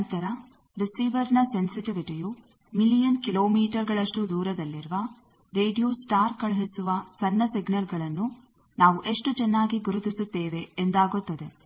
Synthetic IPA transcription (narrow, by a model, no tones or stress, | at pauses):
ɐnt̪ɐɾɐ | ɾisiːʋɐɾnɐse̞nsiʈiʋiʈiju | milijɐnkilo̞ːmiːʈɐɾɡɐɭɐʂʈud̪uːɾɐd̪ɐlːiɾuʋɐ | ɾeːɖijusʈaːɾkɐɭɐɦisuʋɐsɐnːɐsiɡnɐlɡɐɭɐnːu | naːʋuʔe̞ʂʈut͡ʃɛnːaːɡiɡuɾut̪isut̪ːeːʋe̞ːnd̪aːɡut̪ːɐd̪e̞